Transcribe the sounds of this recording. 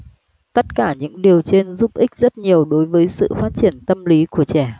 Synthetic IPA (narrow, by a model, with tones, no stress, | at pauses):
t̪ə˦˥t̚kaː˧˩ɲɨ̰˧˥ŋɗi˨˩əwt͡ɕe˧nzu˦˥p̚ʔi˦˥k̟̚zə˦˥t̚ɲi˨˩əwɗo˨˦jvəː˨˦jsɨ̰˧˨faː˦˥t̚t͡ɕi˧˩ənt̪ə˧mli˨˦ku˧˩ət͡ɕɛ˧˩